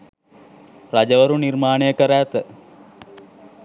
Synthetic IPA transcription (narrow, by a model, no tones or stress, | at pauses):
ɾad͡ʒəʋəɾuniɾmaːnəjəkəɾæːt̪ə